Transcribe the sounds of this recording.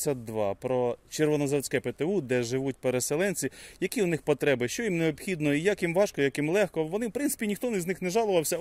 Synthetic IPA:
sʲɐd̪ʋɑ̰pɾɔt͡ʃerʋɔnɔzɐwt͡sʲkɛpet̪eud̪ɛʒɪʋut̚ʲpeɾeselˠɛnʲt͡sʲijɐkʲiʊnɪxpɔt̪ɾɛbɪʃt͡ʃɔjimneɔpxʲid̪nɔijakjimʋɑʃkɔjakimlˠɛxkɔʋɔnɪwpɾɪnt̪ɪ̥pʲinʲixt̪ɔnɪzʲnɪxneʒɑlˠʊʋɐwsʲɐ

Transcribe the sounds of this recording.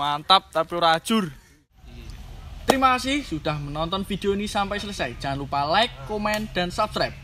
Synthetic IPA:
ant̪ap̚t̪apiɾad̥ʒ̥ʊ̤r | t̪əɾimakasɪhsud̥a̤hmənɔnt̪ɔnfid̪̥e̤onisampɛsələsɛd̥d͡ʒ̥aŋnlupalaɪkːomɛnd̪̥ä̤nsapb̥̚skɾap̚

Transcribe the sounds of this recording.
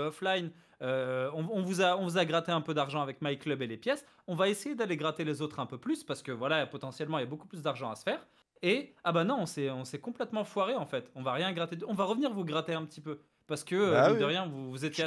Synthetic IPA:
ɔflajn | øɔ̃ɔ̃vuzaɔ̃vuzaɡʁat̪eɛ̃pød̪aʁʒɑ̃avɛkmajklœbelepjɛs | ɔ̃vaesejed̪aleɡʁat̪elezot̪χɛ̃pøplyspaʁsə̥kəvwalapɔt̪ɑ̃sjɛlmɑ̃iljaboku̥plys̬d̪aʁʒɑ̃a̰sə̥fɛːʁ | eabanɔ̃ɔ̃sɛɔ̃sɛkɔ̃plɛt̪mɑ̃fwaʁeɑ̃fɛt̪ɔ̃vaʁjɛ̃ɡʁat̪ed̪ɔ̃vaʁəvniʁvuɡʁat̪eɛ̃pət̪ipø | paʁsə̥kəd̪əʁjɛ̃vuvuzet̪je

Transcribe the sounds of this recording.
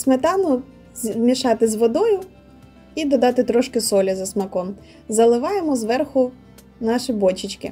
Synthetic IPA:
smet̪ɑnʊ | mʲiʃɑt̪ɪzʋɔd̪ɔjʊ | id̪ɔd̪ɑt̪ɪt̪ɾɔʃkɪsɔlʲɐzɐsmɐkɔm | zɐlˠɪʋɑjemɔzʋɛrxʊ | nɑʃibɔt͡ʃɪt͡ʃkɪ̰

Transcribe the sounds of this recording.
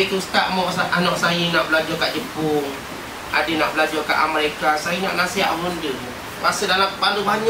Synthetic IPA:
it̪ust̪aʔmɔʔanɔʔsajinaʔbəlad͡ʒɔkaʔd͡ʒəmpʊŋ | a̰dənaʔbəlad͡ʒɔka̰ʔaməɾekasajina̰ʔnasiɦa̰ʔwundə | wasədalambalubaɲ

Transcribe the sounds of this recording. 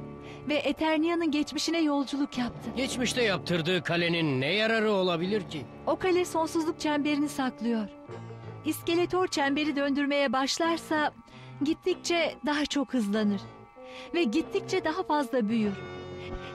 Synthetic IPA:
vɛʔet̪ʰæɾnijanɯnɟɛt͡ʃmiʃinɛjo̞lˠd͡ʒulˠukjap̚t̪ʰɯɟɛt͡ʃmiʃt̪ɛjap̚t̪ʰɯɾd̪ɯːkʰalʲe̞ninːɛjaɾaɾɯo̞lˠabilʲiɾcʰi | o̞kʰalʲɛso̞nsuzlˠuk̚t͡ʃʰæmbe̞ɾinisaklˠɯjo̞ɾ̥ | iscelʲet̪ʰo̞ɾt͡ʃʰæmbe̞ɾid̪ø̞nd̪yɾme̞jɛbaʃlˠaɾsa | ɟit̪ʰːic̚t͡ʃʰɛd̪aɦat͡ʃʰo̞khɯzlˠanɯɾ̥ | vɛɟit̪ʰːic̚t͡ʃʰɛd̪aɦafazlˠabyjyɾ̥

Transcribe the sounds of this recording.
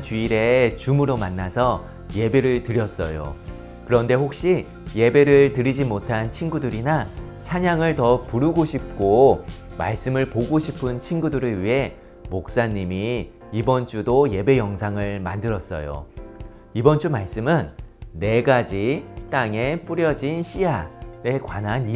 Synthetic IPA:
t͡ɕiiɾe̞t͡ɕumɯɾomanːasʰʌ | je̞be̞ɾɯɭtɯɾjʌs͈ʌ̰jo̰ | kɯɾʌnde̞hok̚ɕ͈i | je̞be̞ɾɯɭtɯɾid͡ʑimotʰant͡ɕʰinɡudɯɾina | t͡ɕʰaɲaŋɯɭtʌpuɾuɡoɕʰip̚k͈oma̰ɭs͈ɯmɯɭpoɡoɕʰipʰɯnt͡ɕʰinɡudɯɾɯɭɥiɦe̞ | mok̚s͈aɲːimi | ibʌnt͡ɕ͈udoje̞be̞jʌŋsʰaŋɯɭmandɯɾʌs͈ʌ̰jo̰ | ibʌnt͡ɕ͈umaɭs͈ɯmɯnːe̞ɡad͡ʑit͈aŋe̞p͈uɾjʌd͡ʑinɕʰijaɾe̞kwanani

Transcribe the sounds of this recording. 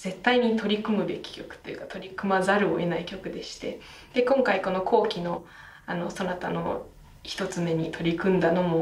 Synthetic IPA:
z̥e̞t̪ːaiɲ̟it̪o̞ɾʲikɯ̟mɯ̟be̞kʲi̥kʲo̞kɯ̟̥t̪ːo̞jɯ̟kat̪o̞ɾʲikɯ̟mazaɾɯ̟o̰e̞naikʲo̞kɯ̟d̪e̞ɕi̥t̪e̞ | d̪̥e̞kõ̞ŋkaiko̞no̞kʰo̞ːkʲino̞ | ano̞sonat̪ano̞̰ | çi̥t̪o̞t͡sɨme̞ɲ̟it̪ʰo̞ɾʲikɯ̟̃nd̪ano̞mo̞

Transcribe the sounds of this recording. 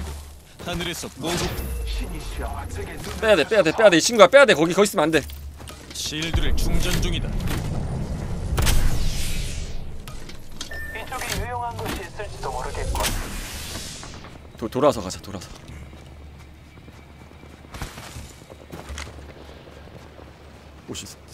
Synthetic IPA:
hanɯɾes͈ʰʌp͈oɕʰiɲiɕiap͈ejadep͈ejade̞p͈e̞jadeɕʰinɡuap͈ejade̞kʌɡikʌis͈ɯmnande̞ | ɕiɭdɯɾɯɭt͡ɕuŋd͡ʑʌnd͡ʑuŋida | mid͡ʑoɡejojoŋɦanɡʌɕʰiːs͈ɯɭt͡ɕ͈idoɡʌɾɯɡek͈ʌ | totoɾasʰʌkad͡ʑatoɾasʰʌ | oɕis͈

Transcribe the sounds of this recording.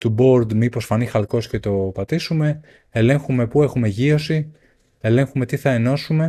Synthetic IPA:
t̪ubo̞ɾd̪miposfɐnixɐlko̞sce̞t̪o̞pɐt̪isume̞ | ele̞ŋxumepue̞xume̞ʝio̞si | ele̞ŋxume̞t̪iθɐe̞no̞sume̞

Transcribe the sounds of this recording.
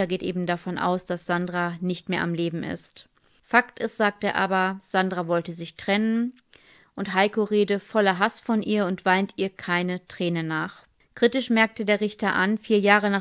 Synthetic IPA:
ɐɡeːtʔeːbm̩dafɔnʔa̰ʊsd̥asz̥andʁanɪçtmeːɐʔamleːbm̩ʔɪ̰st | fak̚tɪstz̥aːk̚teːɐʔaːbɐz̥andʁavɔltəzɪçtʁ̥ɛnən | ʔʊntɦaɪkoʁeːdəfɔlɐɦasfɔnʔiːɐʊntv̥aɪntiːɐkʰaɪnətʁ̥ɛːnənaːχ | kʁ̥itɪʃmɛɐk̚tədeːɐʁɪçtɐʔanfiːɐjaːʁənaː

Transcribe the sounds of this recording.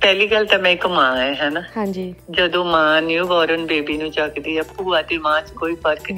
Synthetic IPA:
pɛːliːkəlt̪amɛ̃ːɪkʊmãːɡeɦɛːnaːɦãd͡ʒiːd͡ʒəd̪õːmãːnjũːʋɔːɾənbeːbiːnũːt͡ʃəkd̪iːəpuːad̪eːmãːt͡ʃkoːiːpʰəɾkni

